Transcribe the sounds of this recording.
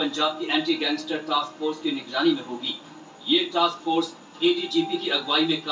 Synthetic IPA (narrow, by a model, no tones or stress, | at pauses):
ɐ̃ɲd͡ʒaːb̚kiʔɛ̃ːɳʈiɡɛ̃ːŋɡsʈəɾʈaːskfoːɾskinɪɡɾaːnimẽɦoːɡiː | jeːʈaːskfoːɾs | eːɖid͡ʒiːpikiɐɡʋaːimẽk